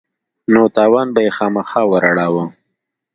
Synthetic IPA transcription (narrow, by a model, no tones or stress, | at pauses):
not̪ɑːwɑːnbajexɑːmaxɑwəɾaɽawə